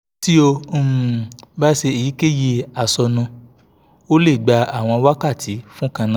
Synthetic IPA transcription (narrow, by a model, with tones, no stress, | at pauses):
ti˦o˧˨ | ba˦se˧i˨ji˨˦ke˦je˧a˨sɔ˧nũ˧ | o˦le˦˨ɡ͡ba˧a˨w̃ɔ̃˧wa˦ka˦˨tʰi˨˦fũ˦kã˧nã˦